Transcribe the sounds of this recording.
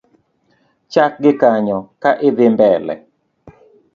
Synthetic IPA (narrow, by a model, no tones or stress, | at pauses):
t͡ʃak̚ɡɪkaɲɔkaʔɪðɪmbɛlɛ̰